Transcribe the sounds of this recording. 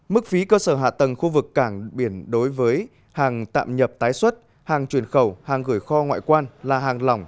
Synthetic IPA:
mɨ˦˥k̚fi˨˦kəː˧səː˧˩ɦa̰ː˧˨t̪ə˨˩ŋxu˧vɨ˨˩kːaː˧˩ŋɓi˧˩ənɗo˨˦jvəː˨˦j | haː˨˩ŋt̪a̰ː˧˨mɲə˨˩p̚t̪aː˨˦jswə˦˥t̚ | haː˨˩ŋt͡ɕwi˧˩ənxə˧˩whaː˨˩ŋɣɨ˧˩əjxɔ˧ŋwa̰ː˧˨jkwaː˧nlaː˨˩ɦaː˨˩ŋlɔ˨˩wŋ͡m

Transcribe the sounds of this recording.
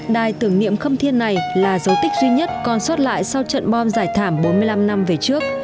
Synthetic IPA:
ɗaː˨˩jt̪ɨ˨˧˩əŋnḭ˧˨əmxə˧wŋ͡mt̪ʰi˧ənːa˨˩jlaː˨˩zə˨˦wt̪ï˦˥k̟̚zwi˧ɲə˦˥t̚kɔ˨˩nswə˦˥t̚la̰ː˧˨jsa˧wt͡ɕə̰˧˨nɓɔ˧nzaː˧˩jt̪ʰaː˧˩mɓo˨˦nmɨ˧əjla˧mna˧mve˨˩t͡ɕɨ˦˥ək̚

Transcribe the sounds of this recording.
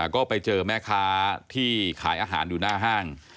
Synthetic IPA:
kɔː˥˩pa˧jt͡ɕɤː˧mɛː˦˥˩kʰaː˦˥t̪ʰiː˥˩kʰaː˩˦jʔaː˧ɦaː˩˦njuː˨˩˦naː˥˩ɦaː˥˩ŋ

